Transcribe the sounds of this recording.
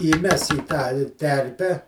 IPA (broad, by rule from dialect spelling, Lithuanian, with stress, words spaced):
iːˈmʲɛs iː tɑː ɪ ˈtʲɛrʲpʲɛ